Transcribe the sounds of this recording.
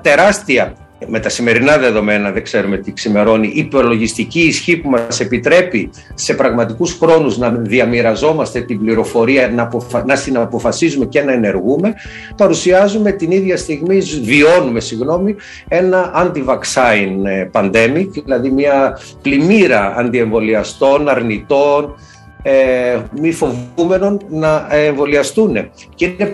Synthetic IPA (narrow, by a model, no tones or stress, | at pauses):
t̪e̞ɾɐst̪iɐ | me̞t̪ɐsime̞ɾinɐðe̞ðo̞me̞nɐðe̞ɡze̞ɾume̞t̪iksime̞ɾo̞niʔipolo̞ʝist̪iciːsçipumɐse̞pit̪ɾe̞pi | se̞pɾɐɣmɐt̪ikusxɾo̞nuznɐðiɐmiɾɐzo̞mɐst̪e̞t̪imbliɾo̞fo̞ɾiɐnɐpofɐnɐst̪inɐpo̞fɐsizume̞ce̞nɐene̞ɾɣume̞ | pɐɾusiɐzume̞t̪iniðʝɐst̪iɣmizvio̞nume̞siɣno̞mi | e̞nɐʔɐnd̪ivɐksɐinpɐnd̪e̞mikilɐðimɲɐ | plimiɾɐɐnd̪ie̞ɱvo̞liɐst̪o̞nɐɾnit̪o̞n | emifo̞vume̞no̞nnɐeɱvo̞liɐst̪une̞̰ | ceine̞